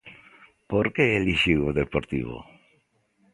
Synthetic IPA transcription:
poɾkeeliʃiwoðepoɾt̪ḭβo̰

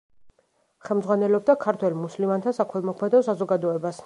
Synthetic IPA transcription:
χɛlˠmdzʁwanɛlɔb̚d̪akʰaɾt̪ʰwɛlmuslimant̪ʰasakʰwɛlˠmɔkʰmɛd̪ɔsazɔɡad̪ɔɛbas

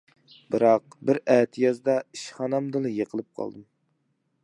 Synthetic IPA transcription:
bɨɾɑq̚ | bɪɾæːt̪ʰjɑzd̪ɑiʃχɑnɑmd̪ɨlˠɨjeqʰəlˠɨp̚qʰɑ̰lˠd̪ɨm

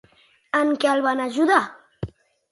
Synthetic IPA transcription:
əŋkɛlˠβanaʒuða

